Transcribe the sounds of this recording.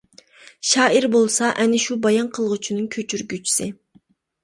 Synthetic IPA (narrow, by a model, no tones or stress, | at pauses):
ʃɑːʔiɾbolˠsɑʔɛnɪʃubɑjɑnqʰəlˠʁʊt͡ʃʰinɨŋkʲʰøt͡ʃʰyɾɡʲyt͡ʃʰi̥sɪ